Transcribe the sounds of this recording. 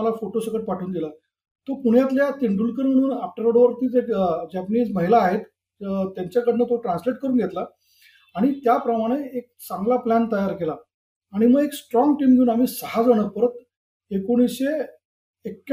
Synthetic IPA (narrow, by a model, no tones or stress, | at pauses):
lafoʈosəkəʈ̚paʈʰuːnd̪ila | t̪okuɽjat̪ljat̪iɳɖuːlkəɾməɽ̃uːnafʈəɾəɽʋəɾt̪iːt͡sekd͡ʑæpniːd͡zməɦilaːɦet̪ | t̪jaɲt͡ɕjakəɽinət̪oʈɾãnsleʈ̚kəɾuːnɡʱet̪laː | ɽ̃it̪japɾəmaɽ̃eek̚t͡sãŋɡlaplænt̪əjaɾkelaː | ɽ̃iməɡeksʈɾɔŋɡʈiːmɡʱeuːnam̤iːsəɦad͡zəɽ̃ək̚pəɾət̪ | ekoɽ̃isɕe | ekː